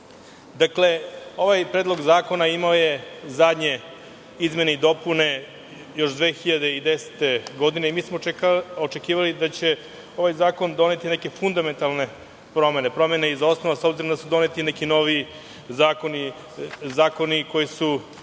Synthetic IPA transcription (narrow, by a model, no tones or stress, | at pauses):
d̪akle̞o̞ʋajpɾeːd̪lˠo̞ɡzaːko̞naimaojezad̪ɲe̞ | izme̞neid̪o̞pune̞ | jo̞ʃd̪ʋeːxiʎad̪eid̪ese̥t̪e̞ɡo̞d̪ine̞imiːsmokot͡ʃe̞kiːʋalid̪at͡ɕe̞ | o̞ʋajzaːko̞nd̪o̞ne̞t̪ineke̞fund̪ame̞nt̪alne̞ | pɾo̞me̞nepɾo̞meneizo̞snoʋasobziɾomd̪asud̪o̞net̪inekino̞ʋi | zaːko̞ni | zaːko̞niko̞jisu